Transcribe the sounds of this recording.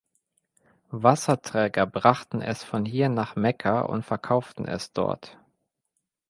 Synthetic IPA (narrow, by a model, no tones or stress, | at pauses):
vasɐtʁ̥ɛːɡɐbʁaχtn̩ɛ̰sfɔnhiːɐnaːχmɛkʰɐʔʊ̰ntfɛɐkʰaʊftn̩ɛ̰sd̥ɔ̰ɐt